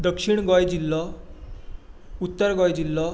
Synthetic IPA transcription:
d̪əkʂiɳɡɔjd͡ʑilːɔ | ut̪ːəɾɡɔjd͡ʑilːɔ

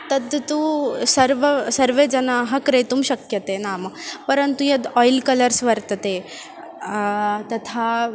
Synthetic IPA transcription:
t̪ɐd̪t̪usɐɾʋɐsɐɾʋeːd͡ʒɐnaːɦɐkɾejt̪umʃɐkjɐt̪eːnaːmɐpɐɾɐnt̪ujɐd̪ɔːjlkɐlɐɾsʋɐɾt̪ɐt̪eː | t̪ɐt̪ʰaː

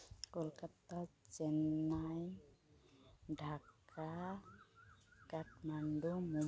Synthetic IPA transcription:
kolkat̪at͡ʃɛnaj | ɖʱaka | kaʈmaɳɖumu

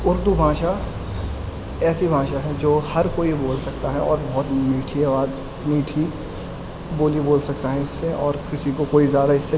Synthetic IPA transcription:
ʊɾd̪ubʱãːʃa | ɛːsibʱãːʃaɦɛd͡ʒoːhɐɾkoːiboːlsɐk̚t̪aɦɛɔːɾbɐɦʊt̪miːʈʰiaːʋaːz | miːʈʰi | boːliboːlsɐk̚t̪aɦɛɪsːeʔɔːɾkɪsikokoːizjaːd̪aɪsːe

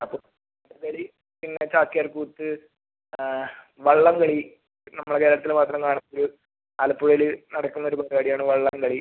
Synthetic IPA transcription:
ɐpːoːɭ | ʈːɨkɐɽi | pinːe̞t͡ɕaːkːijɐrkuːt̪ːɨ | ʋɐɭːɐmkɐɭi | nɐmːɐɭekeːɾɐɽɐt̪ːilmaːt̪rɐmkaːɳunːɐoɾu | ɐːlɐpːuɻɐjlɨnɐɽɐkːunːɐoɾupɐd̪ɐkaːɽijaːɳɨʋɐɭːɐmkɐɭi

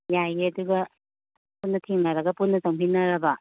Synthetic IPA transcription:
jajeɐduɡɐ | punːɐtʰeŋnɐɾɐɡɐpunːɐsɐŋpʰinːɐɾɐbɐ

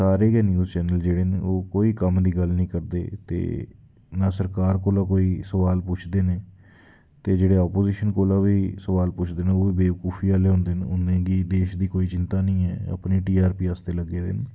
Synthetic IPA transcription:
saːɾeːɡɛːnjuːzt͡ʃɛːnəld͡ʒeːɽeːnḛːoːkoːiːkəmd̪iːɡəlnĩːkəɾd̪ḛːt̪ḛː | naːsəɾkaːɾkoːlãːkoːiːsəʋaːlpʊt͡ʃʰd̪eːneː | t̪eːd͡ʒeːɽeːɔːpoːziːʃənkoːlãːʋiːsəʋaːlpʊt͡ʃʰd̪eːnẽoːʋiːbeːʋəkuːfʰiːaːleːɦõːnd̪eːnʊnːẽːɡiːd̪eːʃd̪iːkoːiːt͡ʃɪnt̪aːnĩːɛːə̰pniːʈiːaːɾpiːɦaːst̪eːləɡːeːd̪ḛːn

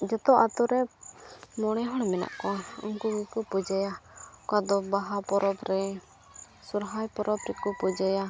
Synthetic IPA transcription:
d͡ʒɔt̪ɔʔat̪ɔɾɛ | mɔɽ̃ɛɦɔɽmɛna̰ʔkɔṵŋkuɡikɔpɔd͡ʒajakad̪ɔbaɦapɔɾɔpɾɛ | suɾɦajpɔɾɔbɾɛkɔpɔd͡ʒaja

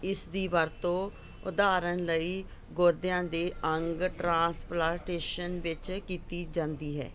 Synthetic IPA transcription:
ɪsd̪iːʋəɾt̪õː | ʊ̰d̪aːɾənləiː | ɡoːɾd̪ɪjãːd̪eːʔəŋɡʈɾãːsplaːɾʈeːʃənʋɪt͡ʃkiːt̪iːd͡ʒãːnd̪iːɦɛ̰ː

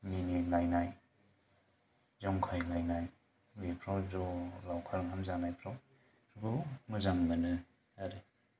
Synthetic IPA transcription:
minilajnaj | zaŋkʰajlajnaj | mipʰɾazɔlawkʰaɾŋhamzanajpʰɾaw | ɾɡumɯzaŋbənɯ | aɾe

